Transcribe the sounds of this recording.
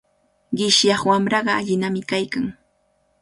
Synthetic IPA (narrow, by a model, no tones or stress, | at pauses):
ɢɪʃjɑχwamɾɑɢɑaʎɪnamɪkajkaŋ